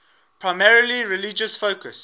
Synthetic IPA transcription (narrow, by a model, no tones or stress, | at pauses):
pʰɹaɪmɛɹəliɹɪlid͡ʒəsfoʊkəs